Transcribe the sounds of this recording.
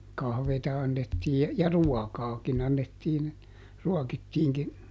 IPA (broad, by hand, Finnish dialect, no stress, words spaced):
kɑhʋeːtɑ ɑnːetːiː jɑ ruɔkɑːkin ɑnːetːiːn ruɔkitːiːŋkin